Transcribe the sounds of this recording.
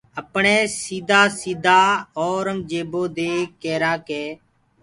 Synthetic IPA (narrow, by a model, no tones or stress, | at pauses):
əpɳẽːsiːd̪aːsiːd̪ʱaːoːɾəŋd͡ʒeːboːd̪eːkeːɾaːkeː